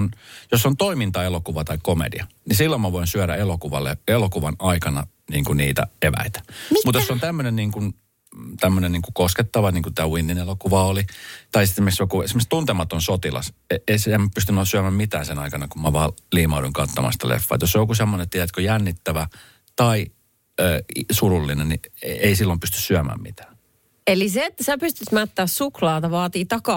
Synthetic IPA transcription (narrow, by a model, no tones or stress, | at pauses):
njosːont̪oimint̪ɑelokuʋɑt̪ɑikkomḛdḭɑnisilːomɑʋoinsyæɾæ̰elokuʋɑ̰lːḛelokuʋɑnɑikɑnɑ̰ | niːŋkuniːt̪æ̰eʋæ̰it̪æ̥mut̪josːont̪æmːønenniːŋkun | t̪æmːøneniːŋkukosket̪ːɑʋɑniːŋkut̪æːwinːinelokuʋɑolit̪ɑisemeksjokuseimːøst̪unt̪emɑt̪onsot̪ilɑ̰seesemːpyst̪ynolːsyæmæmmit̪æːnsenɑikɑnɑkummɑʋɑːliːmɑuɾuiŋkɑt̪ːomɑ̰st̪æ̰lʔḛfːɑ̰ːt̪josːojokusemːonenet̪ːijæt̪kojænːit̪ːæʋæ | t̪ɑi | øːsurulːinennieisilːompyst̪yssyæmæ̰ːmmḭt̪æ̥ː | eliseet̪ːæsæpyst̪yt̪mæt̪ːæːssuklɑːt̪ɑʋɑːt̪iːt̪ɑkɑ